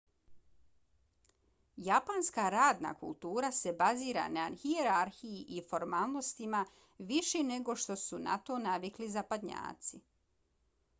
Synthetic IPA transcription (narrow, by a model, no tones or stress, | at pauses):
japanskaɾaːd̪na̰kṵlˠt̪uːɾase̞baziːɾa̰naːnxieɾaɾxijiʔifo̞ɾmaːlˠnost̪ima | ʋiʃene̞ɡo̞ʃt̪o̞suna̰t̪o̞naʋiklizapad̪ɲa̰ːt̪si